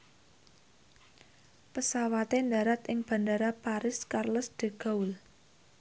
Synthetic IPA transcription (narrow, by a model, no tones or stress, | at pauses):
pəsawat̪end̪a̤ɾat̪ɪŋb̥a̤ndaɾapaɾɪskarləsd̪̥e̤ɡ̥a̤ʊl